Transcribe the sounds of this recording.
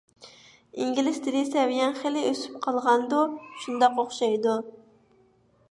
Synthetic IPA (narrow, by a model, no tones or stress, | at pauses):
iŋɡʲilɪst̪ʰɪd̪ʲɪsɛwijɛnχelɪøsy̥p̚qʰɑlˠʁɑnd̪uʃund̪ɑqoχʃɑjd̪u